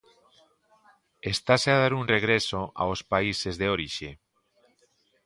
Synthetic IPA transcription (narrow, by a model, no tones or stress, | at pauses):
est̪aseaðaɾuŋreɣ̞ɾesoʔa̰ospaisezðeoɾiʃe